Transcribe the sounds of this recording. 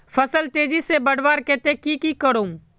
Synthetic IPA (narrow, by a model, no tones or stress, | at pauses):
fəsəlt̪eːd͡ʒiːseːbəɽ̤ʋaːɾkeːt̪eːkiːkiːkəɽoːm